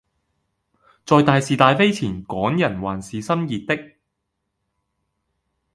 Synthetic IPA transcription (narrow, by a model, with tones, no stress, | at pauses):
t͡sɔː˨˧jt̪aː˨˧jsiː˨t̪aː˨˧jfe˥jt͡sʰiː˨˩nkɔː˨˥ŋjɐ˨˩nwaː˨˩nsiː˨sɐ˥mjiː˨t̪̚ːɪ˥k̚